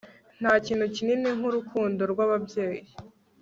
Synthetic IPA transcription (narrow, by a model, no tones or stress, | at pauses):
n̥haːciːnhucininiŋhuɾukʰuːndo̞ɾɡwaβabje̞ːji